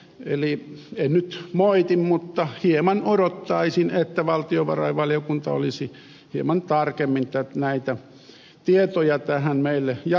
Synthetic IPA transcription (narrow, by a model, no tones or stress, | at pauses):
ḛliennyt̪moit̪immut̪ːɑhiemɑnoɾot̪ːɑisinet̪ːæʋɑlt̪ioʋɑ̰rɑ̰iʋɑljokunt̪ɑo̰lisi | hiemɑnt̪ɑrkemːint̪ːænæit̪æ | t̪iet̪ojɑt̪æhænmeilːejɑ